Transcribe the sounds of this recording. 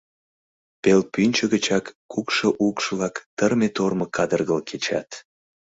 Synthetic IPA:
pelpynʲt͡ɕəɣət͡ɕɑkːukʃoʔukʃlɑkt̪ərmet̪orməkɑd̪ərɣəlkʰet͡ɕɑ̰t̪

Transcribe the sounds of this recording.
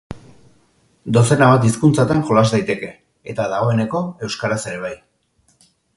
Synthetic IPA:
d̪o̞se̞naβat̪iskunt͡sat̪aŋxo̞lazd̪ajt̪e̞ke̞ː | t̪aðaɣ̞o̞e̞ne̞ko̞e̞wskaɾase̞ɾe̞β̞aj

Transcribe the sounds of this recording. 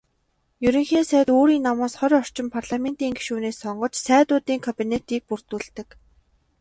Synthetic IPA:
jɵɾĭŋxeːsæːt̪oːɾiːnːamʊːsχœɾʲɔr̥t͡ɕɪ̆mpʰarɮamen̥t̪iːŋɡiʃuːneːsːɔɴɢɞ̆t͡ɕsæːt̪ʊːt̪iːŋkʰɔpʲinet̪iːk̚pur̥t̪uːɮt̪ɘ̆k

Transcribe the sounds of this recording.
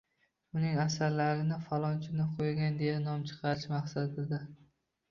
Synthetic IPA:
ʊnɪŋasaɾlaɾɪnɪfalˠɒnt͡ʃʰɪnɪqʰojɡʲand̪e̞janɒmt͡ʃʰɨ̥qʰɑɾɪʃmaχsad̪ɪd̪a

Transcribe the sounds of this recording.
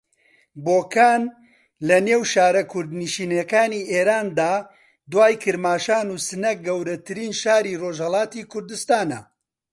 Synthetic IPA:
boːkʰaːn | lɐneːwʃaːɾɐkʰʊɾd̪niʃiːnekaːniːʔeːɾaːnd̪aː | d̪waːjkʰɨɾmaːʃaːnuːsɨnɛk̚ɡɐwɾɐt̪ʰɨɾiːnʃaːɾiːroːʒhɐlˠaːt̪iːkʰʊɾd̪ɨst̪aːnɐ̰

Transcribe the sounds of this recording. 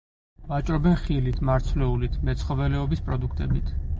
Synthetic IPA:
vat͡ʃʼɾɔbɛnχilit̪ʰmaɾt̪sʰvlɛulit̪ʰmɛt̪sʰχɔvɛlɛɔbispʼɾɔd̪ukʰt̪ʼɛbit̪ʰ

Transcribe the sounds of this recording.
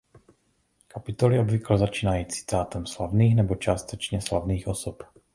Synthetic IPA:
kapɪt̪oliobviklɛzat͡ʃiːnajiːt͡si̥t̪aːt̪ɛmslavniːxnɛbot͡ʃaːst̪ɛt͡ʃɲɛslavniːxosɔp

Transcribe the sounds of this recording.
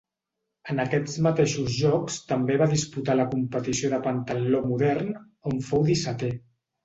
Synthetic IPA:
ənəkɛd͡zmət̪eʃuzʒɔkst̪əmbeβaðisput̪aləkumpət̪isioðəpənt̪əlomuðɛrn | oɱfowðisat̪e

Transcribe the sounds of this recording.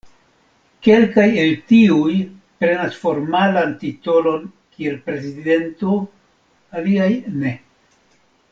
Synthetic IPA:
ke̞lkaje̞ltiuj | pɾe̞nasfo̞ɾmalantito̞lo̞n | kie̞lpɾe̞zide̞nto | aliajne̞

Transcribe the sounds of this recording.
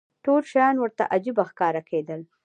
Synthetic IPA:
ʈolʃajɑnwəɾt̪a̰ʔad͡ʒibaxkɑɾakʰed̪əl

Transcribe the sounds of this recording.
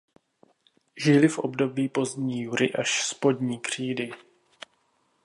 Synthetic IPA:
ʒɪlɪfʔo̰bdo̞biːpo̞zdɲiːjuɾɪʔaʃspo̞dɲiːkr̝̥iːdɪ

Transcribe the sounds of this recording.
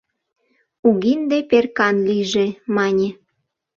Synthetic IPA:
uɣind̪eperkɑnliʒemɑnʲe

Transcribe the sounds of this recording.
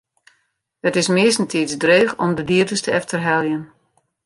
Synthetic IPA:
dətɪsmɪəstn̩tʰisdreːxɔ̰mdədiərdəstəɛftərɦɛlˠjən

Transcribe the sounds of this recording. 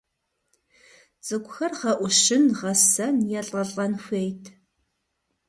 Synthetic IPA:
t͡sʼɨkʷʊxɐrʁɐʔʷʊʃɪnʁɐsɐnjɛɬʼɐɬʼɐnxʷeːjtʰ

